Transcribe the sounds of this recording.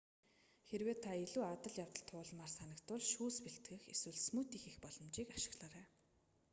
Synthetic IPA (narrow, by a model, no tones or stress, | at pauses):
xerweːt̪ʰaeɮuːat̪ə̆ɮjawt̪ə̆ɮt̪ʰʊːɮmaːrsanə̆kt̪ʊɮʃuːspeɬt̪ɡɘ̆xeswɘ̆ɮsmut̪iːxixpɔɮɞ̆mt͡ɕiːkḁʃɪ̆ɣɮaːɾæː